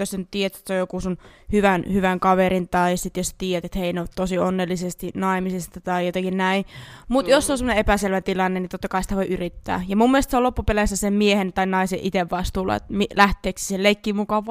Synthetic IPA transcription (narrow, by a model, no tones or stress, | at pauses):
josænyt̪t̪iːjæt̪et̪seojokusunhyʋænhyʋæŋkɑʋerint̪ɑisit̪jost̪iːjæt̪et̪heineot̪t̪osionːelːisest̪inɑimisest̪ɑt̪ɑijot̪ɑkinnæimut̪josːeonsemoneepæselʋæt̪ilɑnːenit̪ot̪ːɑkɑisi̥t̪æʋoiʔyrit̪ːæ̰ːjɑmumːielest̪seolopːupelesːæsemmiehent̪ɑinɑiseʔit̪eʋʋɑst̪uːlɑ̰ḛt̪milæht̪ˑeːksi̥selleikːimukɑʋ